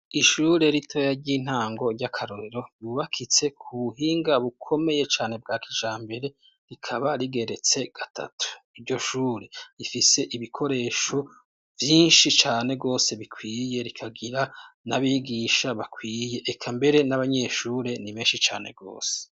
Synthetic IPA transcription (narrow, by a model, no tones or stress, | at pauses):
iʃuːɾe̞ɾitʰo̞jaɾɟiːn̥haːŋɡo̞ɟakʰaɾo̞ɾeɾo̞juːβakʰit͡se̞kʰuβuɦiːŋɡaβukʰo̞me̞je̞t͡ʃaːne̞b̚ɡaːkʰiʒaːmbe̞ɾe̞ | ɾikʰaβaɾiɡe̞ɾe̞t͡se̞ɡ̥atʰa̰tʰu̥ivɟo̞ʃuːɾe̞ɾifise̞ʔiβikʰo̞ɾe̞ːʃo̞ | vjiːnʃit͡ʃaːne̞ɡo̞ːse̞βikʰwiːje̞ɾikʰaɡiɾanaβiɡiːʃaβakʰwiːje̞ʔːkʰambe̞ɾe̞naβaɲe̞ʃuːɾe̞niβeːnʃit͡ʃa̰ːne̞̰ɡo̞̰ːse̥